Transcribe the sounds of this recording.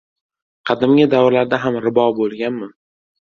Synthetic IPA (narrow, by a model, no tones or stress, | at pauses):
qʰɑd̪ɪmɡʲɪd̪awɾlaɾd̪aɦamɾɪbɒbolˠɡʲanmɪ